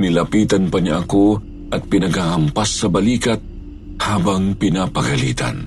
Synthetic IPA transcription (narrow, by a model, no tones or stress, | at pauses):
nɪlɐpiːt̪ɐnpɐɲaʔɐko | ʔɐt̪̚pɪnɐɡhahɐmpasːɐbɐliːkɐt̪̚ | haːbɐŋpɪnapɐɡɐlḭːt̪ɐ̰n